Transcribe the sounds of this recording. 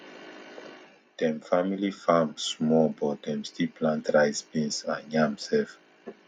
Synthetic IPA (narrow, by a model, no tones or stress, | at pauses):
d̥ɛ̃mfamilifamsmɔbɔt̚dɛ̃mstipʰlãntɹajsbĩnsãnjãmsɛf